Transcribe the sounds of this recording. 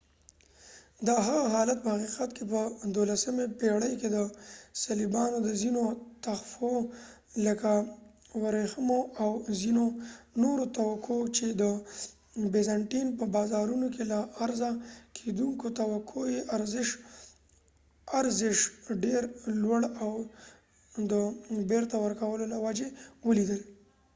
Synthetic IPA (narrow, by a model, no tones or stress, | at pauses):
d̪əɦaɣaɦɑlat̪̚pəhaqiqat̪kepəd̪olasəmepeɽəjked̪əsalibɑnod̪əzinot̪axfo | ləka | waɾexəmoawzinonoɾot̪awakʰot͡ʃed̪ə | bezaɳʈinpəbɑzɑɾunokelaːɾzakʰed̪uŋkot̪awakʰojeʔaɾzɪʃ | aɾzɪʃɖeɾlwaɽaw | d̪əbeɾt̪awəɾkawəlolawad͡ʒewəlid̪əl